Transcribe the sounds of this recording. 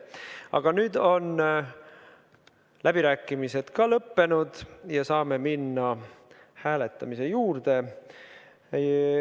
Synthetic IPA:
ɑ̰ɡ̥ɑnyːd̪̥o̞n | lʔæb̥iɾæːkːˑimise̞d̪̥kɑlɤpːe̞nud̪̥jɑsɑːme̞minːɑ | hæːle̞t̪ːˑɑmise̞juːrd̪̥e̞

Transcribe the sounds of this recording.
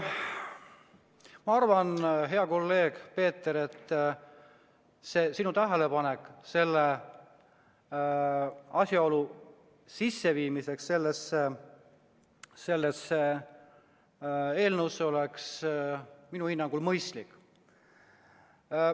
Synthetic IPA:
mɑɑrvɑnɦe̞ɑko̞lːe̞ːɡ̥pe̞ːt̪ːˑeɾet̪ːˑ | se̞ːsinut̪æɦe̞le̞pɑne̞kːˑse̞lːe | ɑsʲjɑo̞lu | sisːe̞viːmise̞ksːe̞lːese | se̞lːese | e̞ːlnəwsːeo̞leks | minuhinːɑŋɡ̥ulmɤjst̪likːˑ

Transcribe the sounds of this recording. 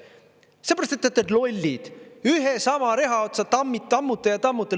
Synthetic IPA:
se̞pæɾɑst̪et̪ːˑet̪ːˑed̪lo̞lʲːid̪̥yɦesɑmɑɾe̞ɦɑot̪sɑt̪ɑmːit̪ːɑmːut̪ːˑejɑt̪ɑmːut̪ːˑe

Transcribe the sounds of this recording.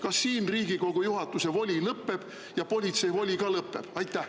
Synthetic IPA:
kɑsːiːnriːɡ̥iko̞ɡ̥ujuɦɑt̪ːˑuse̞vo̞lʲilɤpːe̞b̥ | jɑpo̞lʲit̪se̞jvo̞lʲikɑlɤpːˑe̞̰b̥ɑjt̪ˑːæh

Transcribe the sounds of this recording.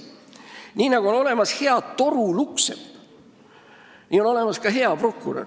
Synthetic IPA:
niːnɑɡ̥uo̞no̞le̞mɑshe̞ɑd̪t̪o̞ɾuluksḛd | niːo̞no̞le̞mɑskɑɦe̞ɑpro̞kːˑuɾɑ̰

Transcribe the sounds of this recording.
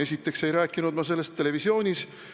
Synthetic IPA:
e̞sʲit̪ːˑe̞kse̞jɾæːkːˑinud̪mɑs̬e̞lːe̞st̪ːe̞le̞visio̞ːnʲis

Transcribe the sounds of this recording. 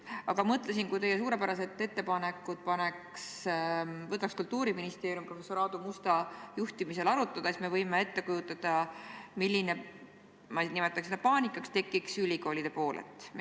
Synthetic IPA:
ɑɡ̥ɑmɤt̪ˑles̬inkujt̪e̞jːes̬uːɾe̞pæɾɑse̞t̪ːe̞t̪ːe̞pɑne̞kːˑut̪̚pɑne̞ks | vɤt̪ːˑɑkskult̪ːuːɾiminist̪eːɾjumpro̞fesːoɾɑːd̪̥umust̪ɑjuht̪imise̞lɑɾut̪ːˑɑd̪̥ɑest̪me̞vɤjmee̞t̪ːe̞kujut̪ːˑɑd̪̥ɑmilʲːine | mɑnimet̪ːˑɑksed̪̥ɑpɑːnʲikːˑɑkst̪e̞kːˑiksylʲiko̞ːlid̪̥e̞po̞ːlʔḛt̪ːˑ

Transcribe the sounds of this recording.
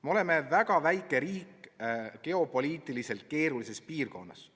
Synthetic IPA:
meo̞le̞me̞væɡ̥ɑvæjkːˑe̞ɾiːkːke̞o̞po̞lʲiːt̪ˑilise̞lt̪̚ke̞ːɾulise̞spiːrko̞nːɑ̰s

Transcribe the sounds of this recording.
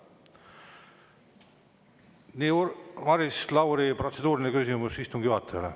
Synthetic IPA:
niːvɑɾislɑwɾipro̞t̪se̞d̪uːɾinekysʲimusist̪uŋɡ̥juhɑt̪ʰːˑele

